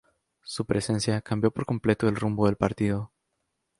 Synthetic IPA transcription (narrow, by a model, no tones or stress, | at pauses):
supɾe̞se̞nsjakambjo̞po̞ɾko̞mple̞t̪o̞elrumbo̞ðelpaɾt̪iðo̞